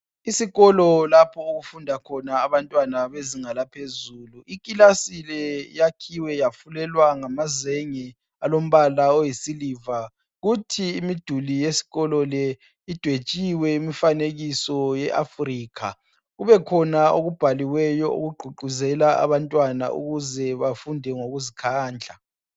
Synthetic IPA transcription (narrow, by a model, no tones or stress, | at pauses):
isiɣɔlɔlapʰɔoɣufundʱakʰɔnaːβantʼwanaβeziŋalapʰezuːluikʼilasilɛjakʰiwɛjafulɛlwaŋamazeŋi | alom̩βalaojisiliva | ɣutʰiːmid̥ʱulijesi̥ɣɔlɔlɛ | id̥ʱwet͡ʃʼiwɛimifaneɣisɔjɛʔafriːkʰa | ɣuβɛkʰɔnaoɣub̥ʱaliwɛjɔo̰ɣuɡ͡ǃʱuǃuzɛlaa̰βantʼwana̰ʔṵɣuzɛβafundʱɛŋoɣuzikʰaːnd͡ɮʱa